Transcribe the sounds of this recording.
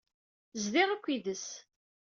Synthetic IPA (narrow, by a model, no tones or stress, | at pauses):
zðɪʁækʷːiðəs